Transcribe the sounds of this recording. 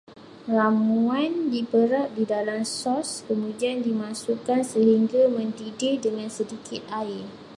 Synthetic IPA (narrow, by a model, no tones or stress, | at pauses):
ramuandipəɾap̚didalamsɔskəmũdiandimãsukansəɦiŋɡamə̃ndidɪdəŋãnsədikɪt̪̚aɪ